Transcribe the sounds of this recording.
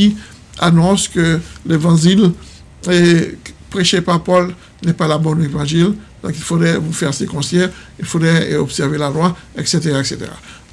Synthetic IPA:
i | a̰nɔ̃skəlevɑ̃ʒil | epʁeʃepaʁpɔl | nɛpalabɔ̃nevɑ̃ʒild̪ɔ̃kilfod̪ʁɛvufɛʁsekɔ̃sɛ | ilfod̪ʁɛɔpsɛʁvelalwaɛkset̪eʁaɛkset̪ḛʁa̰

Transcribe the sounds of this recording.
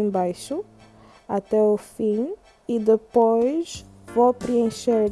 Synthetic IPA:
bajʃʊ | at̪ɛʊfĩ | id̪epojz | vopɾiẽʃeɾ

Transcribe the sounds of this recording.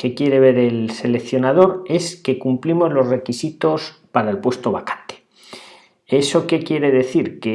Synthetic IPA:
ke̞kje̞ɾe̞β̞e̞ɾe̞lse̞lekθjo̞nað̞o̞ɾe̞ske̞kumplimo̞zlo̞zre̞kisit̪o̞spaɾaelpwe̞st̪o̞βakḁnt̪e̥ | e̞so̞ke̞kje̞ɾe̞ðe̞θiɾke

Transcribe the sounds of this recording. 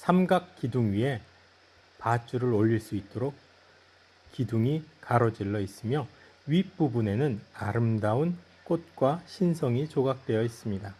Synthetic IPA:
sʰamɡak̚k͈iduŋɥiɦe̞ | pat͡ɕ͈uɾɯɾoʎːiɭs͈uit̚t͈oɾok̚ | k͈iduŋikaɾʌd͡ʑiɭːʌis͈ɯmjʌ | ɥipp͈ubune̞nɯnaɾɯmdaun | k͈ot̚k͈waɕʰinsʰʌŋit͡ɕoɡak̚t͈we̞jʌis͈ɯmɲida

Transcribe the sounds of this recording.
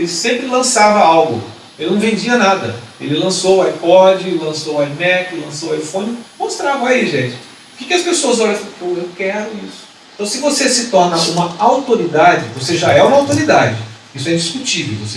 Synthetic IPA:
elɪsẽmpɾɪlɐ̃savɐawɡʊ̰ | ewnɐ̃w̃vẽd͡ʒiɐnad̪ɐ̰ḛlɪlɐ̃soajpɔd͡ʒɪlɐ̃sowajmɛklɐ̃sowajfõnɪmost̪ɾavɐ̃w̃aiʒẽt͡ʃɪ̥ | ʊkikɪɐspesoɐzɔʎɐ̃poewkɛɾʊisʊ̥eẽt̪ɐ̃w̃sɪvosesɪt̪ɔɾnɐũmɐawt̪oɾid̪ad͡ʒɪvoseʒaɛũmɐawt̪oɾid̪ad͡ʒɪ | isʊɛ̃d͡ʒiskut͡ʃivḛwvo̰se

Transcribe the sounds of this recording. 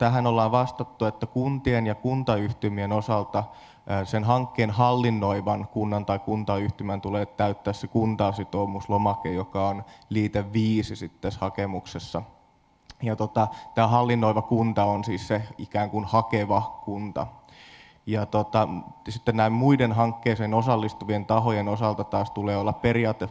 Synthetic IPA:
t̪æɦænolːɑːʋɑst̪ɑt̪ːuet̪ːækunt̪ienjɑkunt̪ɑyht̪ymienosɑlt̪ɑ | senɦɑŋkːeːnhɑlːinːoiʋɑnkunːɑnt̪ɑikunt̪ɑyht̪ymænt̪uleːt̪t̪æyt̪ːæːssekunt̪ɑːsyt̪oːmuslomɑkejokɑonliːt̪eʋʋiːsisit̪tːæshɑkemuksesːɑ | jɑt̪ot̪ɑt̪æːɦɑlːinːoiʋɑkunt̪ɑonsiːsseikæːŋkunhɑkeʋɑkunt̪ɑ̰ | jɑt̪ot̪ɑsit̪ːennæimmuidenɦɑŋkːeːsenosɑlːist̪uʋient̪ɑɦojenosɑlt̪ɑt̪ɑːst̪uleːolːɑpperiɑːt̪ːe

